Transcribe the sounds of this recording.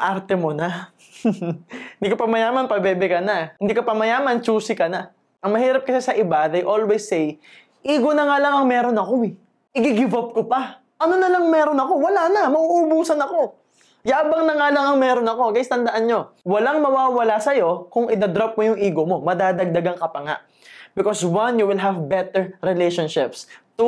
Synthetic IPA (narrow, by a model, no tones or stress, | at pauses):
ʔaɾt̪ɛmonɐ | ɪnd̪iːkopɐmɐjaːmɐnpɐbɛːbɛkɐnɐhɪnd̪iːkopɐmɐjaːmɐnt͡ʃuːsɪkɐnɐ | ʔɐŋmɐhiːɾɐp̚kɐsasɐʔɪbaðejʔo̞lwɛsːɛj | ʔiːɡo̞nɐŋalɐŋɐŋmɛːɾo̞nɐko̞ɪ | ʔɪɡɪɡɪvop̚kopɐ | ʔɐno̞nɐlɐŋmɛːɾo̞nɐko̞wɐlaːnɐmɐʔuʔːbuːsɐnɐko̞ | jaːbɐŋnɐŋalɐŋɐŋmɛːɾonɐko̞ɡɐɪst̪ɐnd̪ɐʔanɲo̞wɐlaŋmɐwaːwɐlasɐjo̞kʊŋʔɪd̪ɐd̪ɾap̚mojʊŋʔiːɡo̞mo̞mɐd̪aːd̪ɐɡ̚d̪ɐɡaŋkɐpɐŋa̰ʔ | bɪkoswɐnjuwɪlɦɐvbɛt̪ɛɹɾɪlejʃonʃɪpst̪u